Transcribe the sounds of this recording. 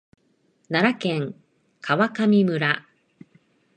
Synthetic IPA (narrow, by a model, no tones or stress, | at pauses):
naɾakẽ̞ŋ | kʰaβakamʲimɯ̟ɾa